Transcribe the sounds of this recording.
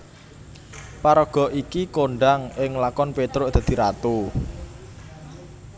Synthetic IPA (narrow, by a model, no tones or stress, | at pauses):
paɾɔɡ̥ɔ̤ʔikikoɳɖaŋɪŋlakɔnpet̪ɾʊsd̪̥ä̤d̪̥i̤ɾat̪u